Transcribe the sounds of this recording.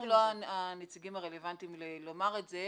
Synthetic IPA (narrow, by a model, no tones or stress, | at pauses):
loaanet͡siɡimaʁele̞vantimlelo̞maʁetze